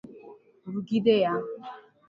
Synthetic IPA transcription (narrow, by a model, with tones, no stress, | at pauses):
ɾu˨ɡi˦de˦ja˦